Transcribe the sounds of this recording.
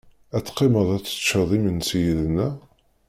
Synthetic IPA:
æt͡sːqːeməðˤæt͡sːə̥t͡ʃːəðˤimənsijəðənːæ

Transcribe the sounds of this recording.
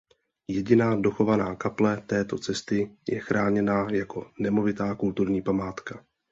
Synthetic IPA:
jɛɟɪnaːdo̞xo̞vanaːkaplɛt̪ɛːt̪o̞t͡sɛst̪ɪjɛ̰xɾʔaːɲɛnaːjako̞nɛmo̞vɪt̪aːkult̪uɾɲiːpamaːt̪ka

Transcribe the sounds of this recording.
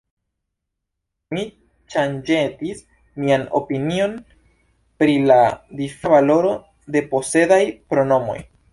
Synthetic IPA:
mi | t͡ʃand͡ʒe̞tis | miano̞̰pinio̞n | pɾiladifavalo̞ɾo̞ | de̞po̞se̞dajpɾo̞no̞mo̞̰j

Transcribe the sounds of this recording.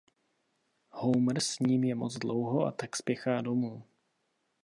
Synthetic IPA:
howmr̩sɲiːmjɛmot͡sdlowɦo̞ʔa̰t̪akspjɛxaːdo̞muː

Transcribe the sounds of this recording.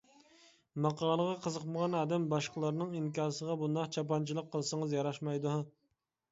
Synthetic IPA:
mɑqʰɑːlˠəʁɑqʰəzəqməʁɑnɑːd̪ɛmbɑʃqəlˠɑɾnɨŋiŋkʲɑːɾsəʁɑbund̪ɑqt͡ʃʰɑp̬ɑnt͡ʃʰilˠəqʰːəlˠsɨŋɨzjɑɾɑʃmɑjd̪u

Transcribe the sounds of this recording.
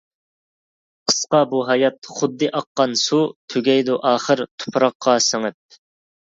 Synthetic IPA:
qʰə̥sqɑbuɦɑjɑt̪χʊd̪ːɨʔɑqːɑnsut̪ʰyɡʲɛjd̪uʔɑːχəɾt̪ʰo̥pʰɾɑqːɑsɪŋɪt̪̚

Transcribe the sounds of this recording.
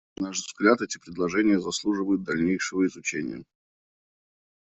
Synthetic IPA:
naʐvzɡlʲat̪ɛtʲɪpɾʲɪd̪lˠɐʐɛnʲɪjəzɐslˠuʐɨvəjʊt̪̚d̪ɐlʲnʲejʂɨvəɪzʊt͡ɕenʲɪ̰jə̰

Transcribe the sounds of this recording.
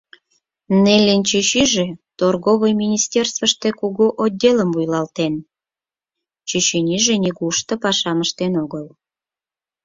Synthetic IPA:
nelʲːent͡ɕyɕyʒet̪orɣoβəjmʲinʲist̪ʲerst̪vəʃt̪ekuɣoʔod̪ʲːeləmvujlɑlt̪en | t͡ɕøɕinʲiʒenʲiɣuʃt̪əpɑʃɑməʃt̪enoɣəl

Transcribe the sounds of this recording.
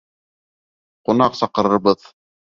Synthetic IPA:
qunɑqsɑqɤ̆ɾɤ̆ɾbɤð

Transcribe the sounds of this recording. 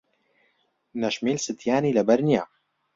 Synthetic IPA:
nɐʃmiːlsɨt̪ʰjaːniːlɐbɐɾnija

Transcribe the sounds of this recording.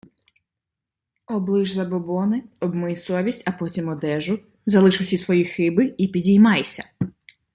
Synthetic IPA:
ɔblˠɪʒzˠɐbɔbɔnɪɔbmɔjisɔʋʲisʲtʲɐpɔtʲimɔd̪ɛʒʊ | zɐlˠɪʃʊwsʲisʋɔjixɪbɪipʲidʲijmɑjsʲɐ

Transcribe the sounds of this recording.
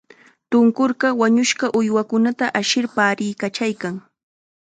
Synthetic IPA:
t̪ʊŋkoɾɢɑwaɲʊʃɢɑʔʊjwakʊnat̪aʔaʃɪɾpaːɾɪjkat͡ʃajkaŋ

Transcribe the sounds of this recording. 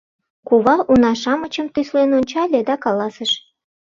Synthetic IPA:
kuβɑʔunɑʃɑmət͡ɕəmt̪yslenonʲt͡ɕɑlʲed̪ɑkɑlɑsəʃ

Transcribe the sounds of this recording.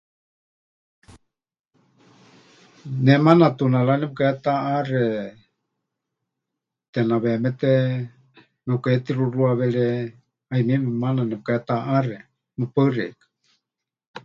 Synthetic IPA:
nɛmanat̪unalanɛp̚kaɛt̪aʔarɛ | t̪ɛnaβɛmɛt̪ɛ | nɛkɛt̪iɾuruaβɛɺɛ | aimimɛmananɛp̚kaɛt̪aʔarɛ | mɨpərɛ̰kḁ

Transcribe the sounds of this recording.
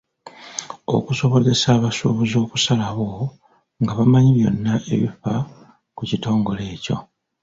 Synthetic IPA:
o̞̰kuso̞βo̞ze̞saːβasoβuzo̞ːkusalaβo̞ | ŋɡaβamaɲiβjo̞nːaʔe̞̰βifa | kucito̞ːŋɡo̞le̞ːco̞̰

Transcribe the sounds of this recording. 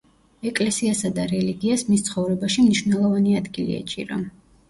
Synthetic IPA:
ɛkʼlɛsiasad̪aɾɛliɡiasmist̪sʰχɔvɾɛbaʃimniʃvnɛlˠɔvaniad̪ɡilḭa̰t͡ʃʼḭɾa̰

